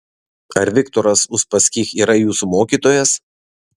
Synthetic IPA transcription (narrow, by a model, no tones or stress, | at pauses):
ɐɾʋʲɪkt̪ɔɾɐsʊʃpɐsʲkʲiːxiːɾɐjuːsumoːkʲiːt̪oːjɛs